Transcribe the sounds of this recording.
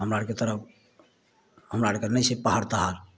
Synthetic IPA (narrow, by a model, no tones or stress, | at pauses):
ɦəmɾaɽket̪əɾəp̚ʰ | ɦəmɾaɽkenɛjsepaɦəɾt̪aɦal